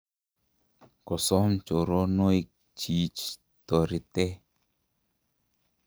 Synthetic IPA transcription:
kɔ˨sɔ˦mt͡ʃo˨ɾo˦no˦i˦k̚ | t͡ʃi˨t͡ʃ | t̪ɔ˨ɾi˨t̪e˦

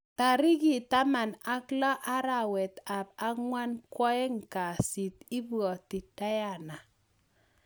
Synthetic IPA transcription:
ta˨ɾi˦ki˨ta˦ma˨na˦klɔ˦ʔa˦ɾa˨wɛ˨ta˨b̚a˦ŋwa˦nkwɔ˦ɛ˦ŋka˨si˨t̪i˦bɔ˨ti˨ta˦ja˦˨na˨

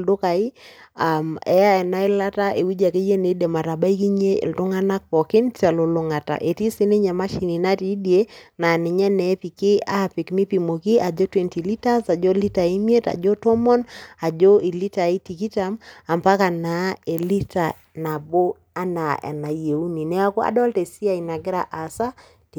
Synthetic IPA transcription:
ldʊ˦ka˨i˦a˨mɛ̰˦ja˦ɛ˨na˦ɪ˦la˦ta˦ʔe˨wi˦d͡ʒa˨ke˦je˦ne˨˦de˨ma˨ta˨ba˦i˦ki˦ɲe˦ḭ˨ldʊ˦ŋa˦na˦k̚pɔ˨kɪ˦nta˨lo˨lʊ˨ŋa˨ta̰˨ʔe˨ti˦si˦ne˦ɲa˨ma˦ʃi˨ni˨na˦ti˨˦dje˦na˨nɪ˨ɲɛ˦nɛ˨˦pi˨kɪ˦a˦˨pɪ˨kmi˦pi˨mo˨ki˦ʔa˨d͡ʒɔ˦twe˦nti˨li˦ta˦sa˨d͡ʒɔ˦li˦ta˨i˦mi˦e˦ta̰˨d͡ʒɔ˦tɔ˦mɔ˦na˨d͡ʒɔ˦i˨li˦ta˨i˦ti˨ki˦ta˨˦ma˨mpa˦ka˨na˨˦e˨li˦ta˨ | na˨bo˦ | a˦na˨ʔḛ˨na˨je˨u˦ni˨nɛ˦a˦kɔ˦a̰˨dɔ˦lte˨si˦a˦˨i˨na˨ɡɪ˦ɾa˨ʔa˨sa˦ | t

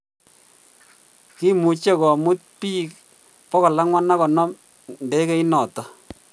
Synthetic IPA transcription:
ki˦mu˨t͡ʃe˦kɔ˨mu˦t̚piː˦k | pɔ˦kɔ˨la˦ŋwa˦na˦kɔ˨nɔ˦m | nde˨˦ke˦i˦nɔ˨tɔ˨

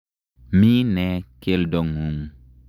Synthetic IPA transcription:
miː˦nɛ˨ke˦ldɔ˨ŋu˨m

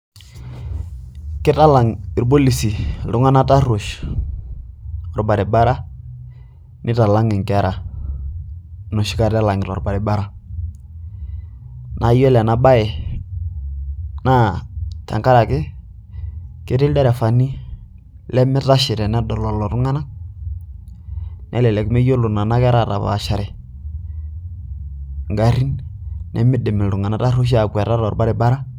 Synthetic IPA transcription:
kɪ˦ta˦la˨ŋɪ˨ɾbo˦li˨si˨lʊ˦ŋa˦na˦ta˦ɾo˨ʃ | ɔ˨ɾba˨ɾɛ˨ba˦ɾa˦ | nɪ˦ta˨la˦ŋɪ˨ŋkɛ˨˦ɾa˨ | nɔ˨ʃɪ˦ka˦˨ɾa˦la˨ŋɪ˨ɾɔ̰˨ɾba˨ɾɛ˨ba˦ɾa˦ | nʔa˨jɔ˦lɛ˨na˨ba˦ɪ˨ | na˦ta̰˨ŋka˦ɾa˨kɪ˦ | ke˦ɾe˦ldɛ˦ɾɛ˨fa˨nːi˦ | lɛ˦mɪ˦ta˦ʃɪ˨ɾɛ˨nɛ˦dɔ˨lɔ˨lɔ˨ɾʊ˦ŋa˦na˦ | nʔɛ˦lɛ˨lɛ˨kmɛ˦jo˦lʊ˨na˨na˦kɛ˦ɾa˦˨ɾa̰˨ba̰˨a̰˨ʃa˨ɾɛ˨ | ŋɡa˨ɾi˦nnʔɛ̰˦mɪ˦dɛ˨mɪ˨ldu˨ŋa˨na˦ta˦ɾu˦ʃ̬a˨kwɛ˨ɾa˦ɾɔ˨ɾba˦ɾɛ˨˦ba˦ɾa˦

